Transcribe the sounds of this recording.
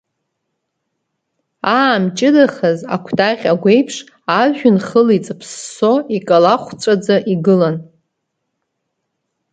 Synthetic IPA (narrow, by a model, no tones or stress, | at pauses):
amt͡ʃʼɪdaχaza̰kʷʰdʰʼaχʲaɡʷe̞jpʰʂ | aʒᶣʊnχəlit͡sʼɨpʰsːo̞ikʼalaχʷt͡sʷʼad͡zaʔiɡɨlan